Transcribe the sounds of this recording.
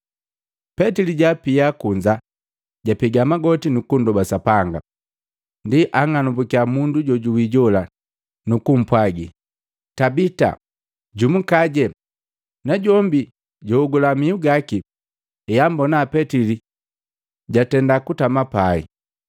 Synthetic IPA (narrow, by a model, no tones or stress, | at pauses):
pɛtiliɟapiakuɲd͡ʒa | ɟapiɡamaɡɔtinukundɔbasapaŋɡa | ndiʔaŋanubukiamunduɟɔɟuwiɟɔla | nukum̩pwaɡi | tabita̰ | ɟumukaɟɛ | naɟɔmbi | ɟɔuɡulamiuɡaki | ɛjambɔnaːpɛtili | ɟatɛndakutamapaḭ